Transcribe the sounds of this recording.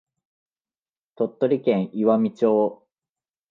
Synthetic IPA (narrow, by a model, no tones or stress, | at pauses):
t̪o̞t̪ːoɾʲikẽɰ̃iβamʲit͡ɕoː